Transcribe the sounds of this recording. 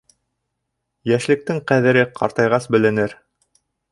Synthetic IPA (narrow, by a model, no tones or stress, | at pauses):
jæʃlɘ̆k̚t̪ɘŋqæðɘ̆ɾɘqʰɑ̰ɾt̪ɑjʁɑsbɘ̆lɘ̆nɘɾ